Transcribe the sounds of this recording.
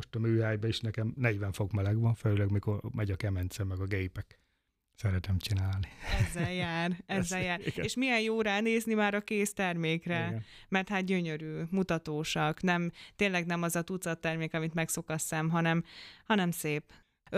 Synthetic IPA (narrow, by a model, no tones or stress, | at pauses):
oʃt̪ɒmøːhaːjbɛiʃnɛkɛmnɛɟʋɛɱfo̞kmɛlɛɡʋɒnføylɛɡmiko̞rmɛɟɒkɛmɛnt̪sɛmːɛɡɒɡejpɛk | sɛɾɛt̪ɛmt͡ʃinaːlniɛzːɛljaːrɛzːɛljaːreːʃmijɛnjoːɾaːneːznimaːɾɒkeːst̪ɛrmeːkrɛmɛrt̪haːt̪̚ɟøɲø̞ɾyːmut̪ɒt̪oːʃɒknɛmt̪eːnlɛɡnɛmɒzɒt̪ut̪sɒt̪ːɛrmeːkɒmit̪mɛkso̞kɒsːɛmɦɒnɛmhɒnɛmseːp